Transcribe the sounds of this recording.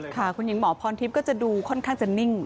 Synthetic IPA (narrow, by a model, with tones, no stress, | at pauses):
kʰa˥˩kʰu˧nji˩˦ŋmɔː˩˦pʰɔː˧nt̪ʰi˦˥p̚kɔː˥˩t͡ɕa˨˩duː˧kʰɔ˥˩nkʰaː˥˩ŋt͡ɕa˨˩ni˥˩ŋ